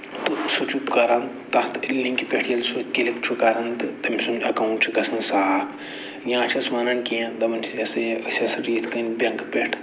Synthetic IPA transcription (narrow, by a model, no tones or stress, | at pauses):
t̪usut͡ʃupkɐɾɐnt̪t̪ɐt̪ilːĩŋkipʲeʈʰjɐlsukilikt͡ʃʰukɐɾɐnt̪ɨt̪ɐmisunɐkɐuɳʈt͡ʃʰikɐsɐnsaːpʰ | jãːt͡ʃʰɐsmɐnɐnkijãd̪ɐmɐnt͡ʃʰid͡ʒɐsɐjʔɐsʲɐsɐɾiːt̪ʰkɐnbʲɐŋkpeʈʰ